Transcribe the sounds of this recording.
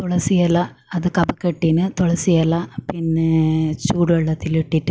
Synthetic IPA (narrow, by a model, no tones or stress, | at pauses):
t̪ɔɭɐsijɐlːɐ | ɐðɨkɐbɐkːeʈːinɨt̪ɔɭɐsijɐlɐpinːet͡ɕuːɽʋɐɭːɐt̪ːileʈːiʈːɨ